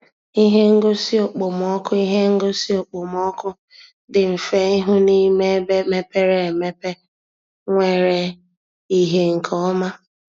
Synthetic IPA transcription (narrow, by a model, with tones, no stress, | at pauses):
i˦ɦe˦ŋ̩˦ɡo˦si˦o˨k͡po˨m˨ɔ˦kʊ˦i˦ɦe˦ŋ̩˦ɡo˦si˦o˨k͡po˨m˨ɔ˦kʊ˦ | dɪ˨m̩˨fe˦ɪ˦ɦʊ˦ni˦me˦be˦me˦pe˦ɾe˦e˨me˦pe˦ | ŋʷe˨ɾe˨ | i˦ɦe˦ŋ̩˨kʰɔ˦ma˦